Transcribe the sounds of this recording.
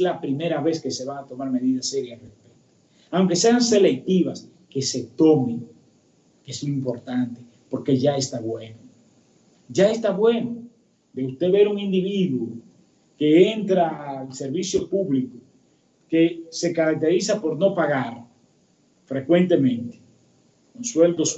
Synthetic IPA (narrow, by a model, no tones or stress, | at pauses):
eslapɾime̞ɾaβe̞ske̞se̞βaat̪o̞maɾme̞ðiðase̞ɾjarespek̚t̪o̥ | awŋke̞se̞anse̞le̞k̚t̪iβas | ke̞se̞t̪o̞me | kesuimpo̞ɾt̪ant̪e̞ | po̞ɾke̞ʝae̞st̪aβwe̞no | ʝaest̪aβwe̞no | d̪e̞ust̪e̞βe̞ɾuŋind̪iβiðwo | ke̞ent̪ɾalseɾβisjo̞puβliko | ke̞se̞kaɾak̚t̪e̞ɾisapo̞ɾno̞paɣaɾ | fɾe̞kwe̞nt̪e̞mẽ̞nt̪e̥ | konswe̞ld̪os